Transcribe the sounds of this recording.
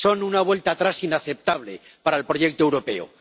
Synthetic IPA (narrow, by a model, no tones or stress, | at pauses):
so̞nunaβ̞we̞lt̪aːt̪ɾasinaθe̞p̚t̪aβ̞le̞̰ | paɾaelpɾo̞ʝe̞k̚t̪oewɾo̞pe̞̰o̰